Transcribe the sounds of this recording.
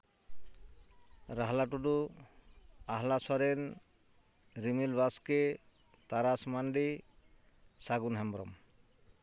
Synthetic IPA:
ɾaɦlaʈudu | aɦlasɔɾen | ɾimilbaske | t̪aɾasmanɖi | saɡunɦɛmbɾɔ̰m

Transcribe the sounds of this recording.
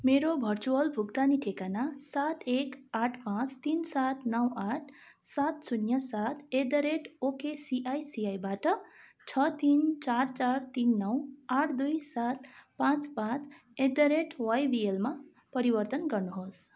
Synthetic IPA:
meɾobʱʌrt͡suwʌlbʱukt̪aniʈʰekanasat̪ekaʈʰpãt͡st̪insat̪nʌwaʈʰ | sat̪sunjʌsat̪ed̪ʌɾeʈokesiʔajsiajbaʈʌ | t͡sʰʌt̪int͡sart͡sart̪inːʌwaʈʰd̪ujsat̪̚pãt͡spãt͡s | ed̪ʌɾeʈwajbielma | pʌɾibʌrt̪ʌnɡʌrnuɦos

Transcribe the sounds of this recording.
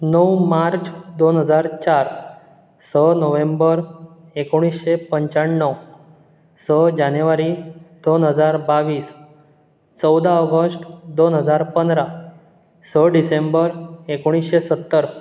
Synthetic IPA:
nəwmaɾt͡sd̪onɦəd͡zaɾt͡ɕaɾ | sənəʋembəɾ | ekoɽ̃isɕepəɲt͡ɕaɳːəw | səd͡ʑanjuʋaɾid̪̥onɦəd͡zaɾbaʋiːs | t͡səwd̪aəɡəsʈd̪onɦəd͡zaɾpənd̪ɾa | səɖisembəɾekoɽ̃isɕesət̪ːəɾ

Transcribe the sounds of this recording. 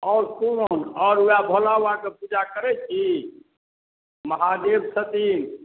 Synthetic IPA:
ɔɾkunonɔːɾuabʱolawakepud͡ʒakəɾɛt͡ʃʰi | məɦad̪ebsət̪in

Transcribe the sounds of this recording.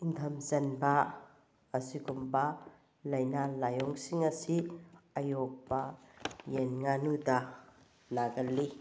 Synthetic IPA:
int̪ʰɐmzɐnbaː | sikumba | lɐjnalajɔŋsiŋɐsiɐjɔk̚bajenŋanuta | naɡɐlːi

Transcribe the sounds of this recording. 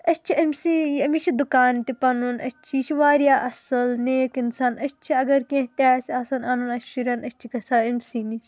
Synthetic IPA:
ɐst͡ʃʰiɐmʲsiɐmit͡ʃʰid̪ukaːnt̪ipɐnunɐ̰ʃt͡ʃʰit͡ʃʰiʋaːɾijaːʔɐsɐlneːkinsɐnɐʃt͡ʃʰiɐɡɐɾkẽɦt̪ʲaːsaːsɐnɐnɐnɐʃiɾɐnɐʃʲt͡ʃʰikɐsaːɐmʲsini

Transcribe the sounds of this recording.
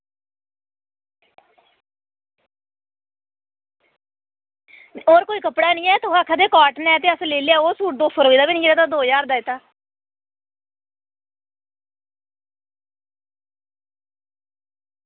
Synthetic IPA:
oːɾkoːiːkəpɽaːnĩːɛːt̪oːaːkʰːaːd̪eːkaːʈnɛːt̪eːəsleːleaːoːsuːʈ̚d̪oːsoːɾoːiːd̪aːbiːnĩːeɾaːt̪aːd̪oːjaːɾd̪aːiːt̪aː

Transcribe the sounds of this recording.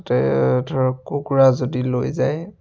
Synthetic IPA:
tɛdʱɔɹɔkːuɡuɹazodilojzaj

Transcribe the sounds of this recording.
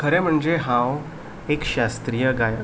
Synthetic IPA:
kʰəɾɛ̃m̤əɳd͡zeɦãw | ekɕast̪ɾijəɡaj

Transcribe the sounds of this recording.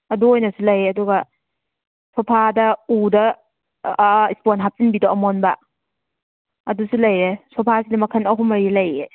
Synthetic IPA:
ɐduojnɐsulɐjeɐduɡɐ | sʰɔpʰadɐudɐ | isponɦap̚sinbidoɐmonbɐ | ɐdusulɐjɾesʰɔpʰasidɐmɐkʰɐnɐɦumɐɾilɐje

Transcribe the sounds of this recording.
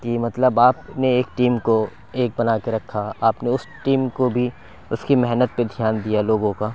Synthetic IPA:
kimɐt̪ləbaːpneeːkʈiːmko | eːk̚bɐnaːkeɾɐkʰːaaːpneʊsʈiːmkobʱi | ʊskimɛɦnət̪̚ped̪ʱjaːnd̪ijaloːɡõkaː

